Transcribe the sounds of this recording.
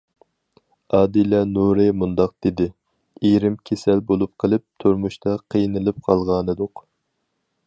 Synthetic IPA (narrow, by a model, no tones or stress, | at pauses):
ɑːd̪ilɛnuɾɨmund̪ɑq̚d̪̥ed̪ɪ | eɾɪmkʲʰesɛlbolˠup̚qʰəlˠɨp̚t̪ʰuɾmuʃt̪ʰɑqʰəjnɨlˠɨp̚qʰɑlˠʁɑːnɨd̪ʊq